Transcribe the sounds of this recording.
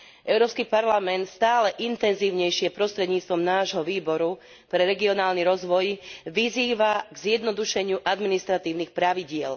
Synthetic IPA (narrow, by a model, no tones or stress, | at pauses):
ʔɛʊɾɔːpskipaɾlamɛnt̪st̪aːlɛʔint̪ɛnziːʊɲɛjʃɪɛpɾɔst̪ɾɛd̪ɲiːt͡st̪ʋɔmnaːʒɦɔʋiːbɔɾu | pɾɛɾɛɡiɔnaːlniɾɔzʋɔjʋiziːʋaɡzjɛd̪nɔd̪uʃɛɲɪuʔad̪minist̪ɾat̪iːʊnixpɾaʋiɟɪɛl